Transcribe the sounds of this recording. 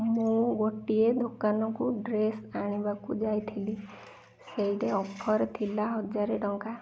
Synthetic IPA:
mũɡoʈied̪ʱokanɔkuɖɾesaɽ̃ibakud͡ʒajt̪ʰili | sejʈeɔpʰɔɾt̪ʰilaɦɔd͡ʒaɾeɖɔŋka

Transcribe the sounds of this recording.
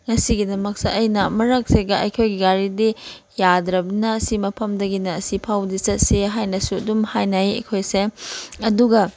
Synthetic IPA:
ŋɐsiɡidɐmɐk̚seʔɐjnɐmɐɾɐk̚seɡɐɐjkʰojɡiɡaɾidi | jadɾɐbinɐːsimɐpʰɐmdɐɡinɐːsipʰawdisɐt̚seɦajnɐsuɐdumhajnajɐ̰jkʰojseɐduɡɐ

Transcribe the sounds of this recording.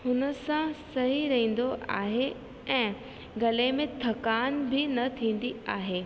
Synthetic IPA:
hʊnə̆sãsɐɦiɾɐɦĩːn̆d̪oʔa̰ːɦe | ɛ̃ː | ɡɐlemẽt̪ʰɐkaːnbɪnɐt̪ʰĩːn̆d̪iaːɦeː

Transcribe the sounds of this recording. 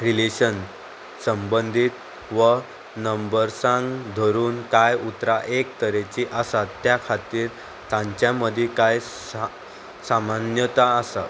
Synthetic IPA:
ɾileɕən | səmbənd̪ʱit̪ | ʋə | nəmbəɾsãŋɡd̪ʱəɾuːnkajut̪ɾaʔek̚t̪əɾet͡ɕiʔasat̪ːjakʰat̪iːɾ | t̪ãɲt͡ɕjaməd̪ʱjikaj | samanjət̪aːsa

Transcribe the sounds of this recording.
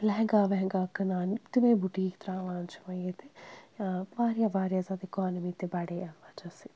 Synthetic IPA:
lɛɦŋɡaːʋɛɦŋɡaːkɐnaːnt̪ɪʋẽːbuʈiːkt̪ɾãːʋaːnt͡ʃʰi̥mãjet̪e | ʋaːɾijaːʋaːɾjaːzaːd̪ɪkaːnəmiːt̪ebɐɽeːaʋaːt͡ʃasi

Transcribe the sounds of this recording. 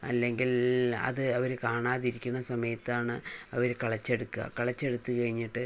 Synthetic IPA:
ɐ̰lːe̞ŋɡilɐ̰ðɨɐʋɐɾekaːɳaːðiɾikʲːunːɐsɐmɐjɐt̪ːaːɳɨɐʋɐɾekɐɭɐt͡ɕːeɽukːuɣɐ̰kɐɭɐt͡ɕːeɽut̪ːɨkɐɻiɲːiʈːɨ

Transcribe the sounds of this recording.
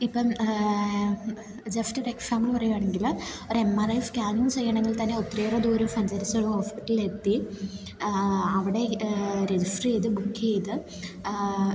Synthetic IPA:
ipːɐm | d͡ʑefʈɨɾekʰːfaːmːiɭpɐrɐjuaːɳe̞ŋɡiloɾemːɐrɐjfkaːnuːnt͡ɕe̞jːɐɳeŋɡilt̪ɐnːeot̪ːireːrɐðuːɾumfɐnd͡ʑɐɾɐsoɭhoːspiʈːɐlilet̪ːi | ɐʋiɽe̞ɾed͡ʑisʈriejðɨbukʰːejðɨ

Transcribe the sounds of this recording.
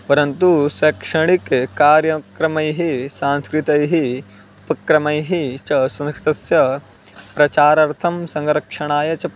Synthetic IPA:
pɐɾɐnt̪usɛkʂɐɳ̃ikkaːɾjɐkɾɐmɐjɦisaːnskɾit̪ɐjɦi | pɐkɾɐmɐjɦit͡ʃɐsɐ̃nskɾi̥t̪ɐsjɐ | pɾɐt͡ʃaːɾɐɾt̪ʰɐmsɐ̃ŋɾɐkʂɐɳ̃aːjɐt͡ʃɐ

